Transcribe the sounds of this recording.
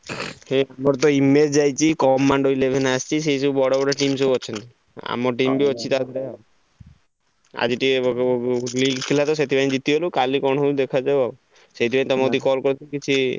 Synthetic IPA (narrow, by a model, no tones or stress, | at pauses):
heamɔɾt̪ɔimed͡ʒd͡ʒajt͡ʃʰikɔmːaɳɖoilebʱenast͡ʃʰis̬eseubɔɽabɔɽaʈimsebɔt͡ʃʰɔnt̪i | a̰mɔʈimbiɔt͡ʃʰit̪ad̪ʱɾe | a̰d͡ʒiʈi | liɡt̪ʰilat̪ɔs̬et̪ʰibañd͡ʒit̪iɦelukalikɔɳ̃ud̪ekʰad͡ʒeba | set̪ʰibañt̪ɔmod̪ikɔlkɔɾt̪ʰkit͡ʃʰi